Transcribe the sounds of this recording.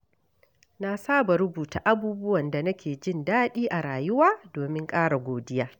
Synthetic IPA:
na˦saː˦ba˨ɾʊ˦buː˨ta˨ʔa˦buː˦bʊ˦wɐ˨nda˨nɐ˦kʲeː˨d͡ʒɪ˦ndaː˦ɗiː˦ʔa˨ɾaː˨jʊ˦waː˦doː˨mɪ˦ŋkʼaː˦ɽa˨ɡʷoː˨dɪ˦jaː˦

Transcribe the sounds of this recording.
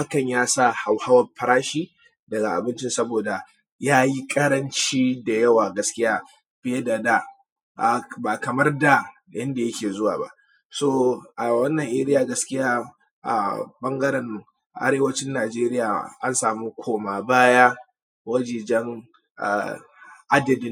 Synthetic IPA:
ha˦kɐ˨ɲjaː˦sa˦˨ha˨wha˦wɐ˨pɐ˨ɾaː˦ʃiː˦ | dɐ˨ɡa˨ʔa˨bɪ˦nt͡ʃɪ˦nsɐ˦boː˨da˨ | jaː˦ji˦kʼɐ˦ɾɐ˦nt͡ʃiː˦da˨jɐ˦waː˨ɡɐ˦skʲɪ˦jaː˦ | bɪ˦je˦da˨da˦ | ʔa˨baː˨kɐ˨mɐ˦rda˨ | jɐ˦nda˨jɐ˦kʲeː˨zʊ˦waː˨ba̰˦ʔ | soː˦ʔa˨wɐ˦nːɐ˨ŋʔe˦ɾɪ˦jaː˨ɡɐ˦skʲɪ˦jaː˦ | ʔa̰˨bɐ˦ŋɡɐ˦ɾɐ˨n˨ŋ | ʔa̰˨ɾeː˦wɐ˦t͡ʃɪ˦nːaː˨d͡ʒeː˦ɾɪ˦jaː˨ʔa˦nsaː˨muː˦kʷʰoː˦maː˨baː˦jaː˦ | wɐ˦d͡ʒiː˨d͡ʒɛ˦ŋ | ʔa̰˨ | ʔa˦dɐ˨dɪ˦n

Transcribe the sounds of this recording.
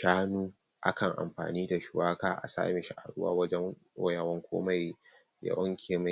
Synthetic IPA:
ʃaː˦nuː˦ | ʔa˦kʰɐ˨ŋʔa̰˨mɸa̰ː˨niː˦da˨ʃʊ˨waː˦kaː˦ʔa̰˨sa̰ː˦meː˨ʃa˨ʔa̰˨ɽʊ˦wa̰ː˦wɐ˦d͡ʒɛ˦ŋ | o˦ja˨wɐ˦ŋkʷʰo̰ː˦ma˨j | ja̰˦ʔʊ˦ŋkʲʰeː˨ma˨

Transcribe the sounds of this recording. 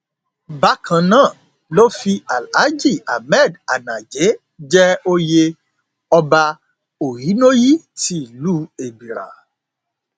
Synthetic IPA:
ba˨˦kʰã˨nãː˦˨ | lo˦fi˧a˨la˨˦d͡ʒi˦˨a˨mɛ˦˨da˨nã˨d͡ʒe˨˦ | d͡ʒɛ˦o˧je˧ | ɔ˧ba˧ | o˨ɾi˨˦no˦ji˦ti˦˨lu˦e˨bi˨ɾa̰˨

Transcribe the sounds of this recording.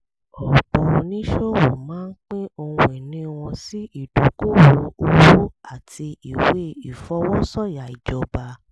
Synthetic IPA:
ɔ˨k͡pɔ˧nĩ˦ʃo˦wo˨mãː˨˦n̩˦k͡pe˦o˧ũ˧e˨nĩ˨˦w̃ɔ̃˧si˦i˦˨do˨˦ko˦wo˨˦o˧wu˦a˦˨ti˧i˨we˦i˨fɔ˧˦wɔ˦sɔ˦˨ja˨i˨d͡ʒɔ˧ba˧

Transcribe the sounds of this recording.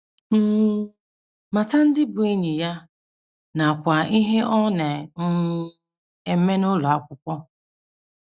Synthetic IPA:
m̩˦ | ma˨ta˦n̩˦dɪ˦bʊ˨e˦ɲi˨ja˦ | na˨a˨kʷa˨i˦ɦe˦ʔɔ˦ne˨ŋ̩˦ | e˨˦me˦nʊ˦lɔ˨a˦kʷʊ˦kʷɔ˦

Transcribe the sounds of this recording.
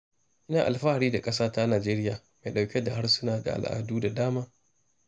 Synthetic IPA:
ʔɪ˦naː˨ʔa̰˨lɸa˦ha˨ɾiː˦da˨kʼɐ˦s̬aː˦ta˦naː˨d͡ʒeː˦ɾɪ˦jaː˨ | ma˨jɗa˨wkʲe˦da˨ɦa˦rsʊ˦naː˨da̰˨ʔa̰˨lʔa̰ː˨duː˦da˨daː˦maː˦

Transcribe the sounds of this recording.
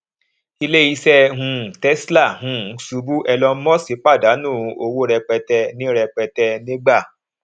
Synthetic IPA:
i˧le˦i˧sɛ˧ɦũ˨˧˨tɛ˦sla˦˨hũ˨˦su˧˦bu˦ʔɛ˧lɔ˧˦mɔ̃˦si˨˦k͡pa˦˨da˨˦nũː˦˨˧o˧wo˦ɾɛ˧k͡pɛ˧tɛ˧nĩ˦ɾɛ˧k͡pɛ˧tɛ˧nĩ˦ɡ͡ba˦˨

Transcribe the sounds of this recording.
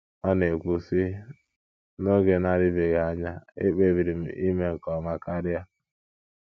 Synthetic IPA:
ɔ˦ne˨kʷu˨si˦ | no˦ɡe˨na˦ɾɪ˦be˨ɡe˨a˨ɲa˦ḛ˦k͡pe˦bi˨ɾi˨m̩˨i˦me˦ŋ̩˨kɔ˨ma˦ka˦ɾɪ˦a˦

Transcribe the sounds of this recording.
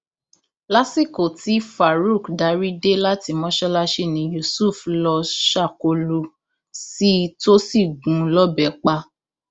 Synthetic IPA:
la˦si˦˨ko˨ti˨˦fa˨ɾu˦˨kda˨˧ɾi˦de˦la˦ti˧mɔ̃˦ʃɔ˦la˦ʃe˦˨nĩ˨˦ju˧˨su˦˨flɔ˧ʃa˦˨ko˧lu˧ | si˦to˦si˦˨ɡũ˨˦lɔ˦bɛ˨˦k͡pa˧

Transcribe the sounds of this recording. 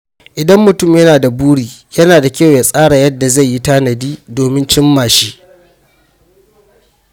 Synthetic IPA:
ʔɪ˨dɐ˦mːʊ˨tʊ˦˨mjɐ˦naː˨da˨buː˦ɽiː˨jɐ˦naː˨da˨kʲa˦˨wja˨sʼaː˦ɽa˨jɐ˦dːa˨za˦˨jːi˦taː˦nɐ˨diː˦doː˨mɪ˦nt͡ʃɪ˦mːaː˨ʃi˦ʔ

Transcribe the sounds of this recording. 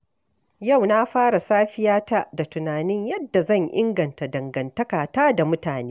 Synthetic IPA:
ja˦˨wna˦ɸaː˦ɽa˨saː˦ɸɪ˦jaː˦ta˦da˨tʊ˨naː˨nɪ˦ɲjɐ˦dːa˨zɐ˦˨ɲʔɪ̰˦ŋɡɐ˨nta˨dɐ˨ŋɡɐ˨ntɐ˦kaː˨taː˦da˨mʊ˦taː˨neː˦

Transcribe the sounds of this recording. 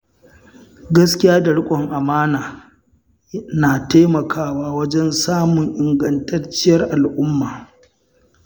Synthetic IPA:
ɡɐ˦skʲɪ˦jaː˦da˨ɽʊ˦kʷʼɔ˨ŋʔa˨maː˦naː˨ | naː˨taː˦mɐ˨kʰaː˦waː˦wɐ˦d͡ʒɛ˦nsaː˦mʊ˨ŋʔɪ˨ŋɡɐ˦ntɐ˦rt͡ʃɪ˦jɐ˦rʔa˨lʔʊ˦mːaː˨

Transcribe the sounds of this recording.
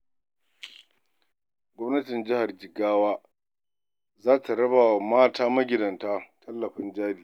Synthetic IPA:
ɡʷɔ˦mnɐ˦tɪ˨nd͡ʒɪ˦ha˨rd͡ʒɪ˨ɡaː˦waː˦ | zaː˦tʰa˨ɾɐ˦baː˨wa˨maː˦tʰaː˦mɐ˦ɡʲɪ˨dɐ˨ntaː˦tʰɐ˦lːɐ˨ɸɪ˦nd͡ʒaː˦diː˨

